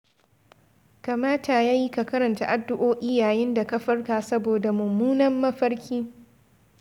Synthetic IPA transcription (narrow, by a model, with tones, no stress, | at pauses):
ka˨maː˦ta˨jaː˦ji˦ka˨kɐ˦ɾɐ˨nta˨ʔa˦dːʊ˦ʔoː˦ʔɪ˦jaː˨jɪ˦nda˨kɐ˦ɸɐ˦rkaː˨sɐ˦boː˨da˨mʊ˨mːuː˦nɐ˦mːɐ˦ɸɐ˦ɽkʲiː˦